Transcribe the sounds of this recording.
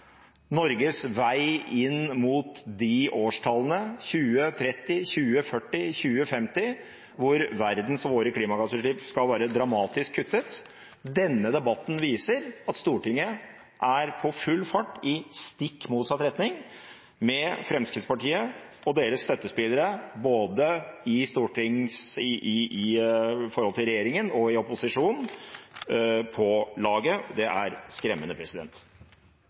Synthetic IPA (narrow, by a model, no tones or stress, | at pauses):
nɔɾɡəsʋæɪɪnmuːt̪d̪ɪʔoːʂʈʰɑlənəçʉːət̪ʰɾɛt̪ːɪçʉːəfœʈːɪçʉːəfɛmt̪ɪ | ʋʊɾʋæɾd̪n̩sʋoːɾəkʰliːmɑɡɑsəʂɭɪpskɑlʋæːɾəd̪ɾɑmɑːt̪ɪskʰːʉt̪ːət̪ | d̪ɛnːəd̪ɛbɑt̪ːn̩ʋiːsəɾɑt̪st̪uːʈɪŋːə | ʔæɾpʰɔfʉlːfɑʈːɪst̪ɪkːmuːt̪sɑt̪ɾɛt̪nɪŋ | mɛfɾɛmskɾɪt̪spɑʈiːəɔd̪eːɾəsst̪œt̪ːəspɪlːəɾəboːd̪əɪst̪uːʈɪŋsɪɪɪfɔɾhɔlt̪ɪlɾɛjeːɾɪŋənɔɪɔpʊsɪʂuːnn̩ | pʰɔlɑːɡəd̪ɛʔæɾskɾɛmːənəpʰɾɛsɪd̪ɛ̰nt̪